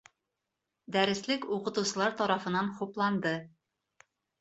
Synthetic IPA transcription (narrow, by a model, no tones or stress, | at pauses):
d̪æɾɘ̆slɘkuqɤ̆t̪usɤ̆lˠɑɾt̪ɒɾɑfɤ̆nɑnχuplˠɑnd̪ɤ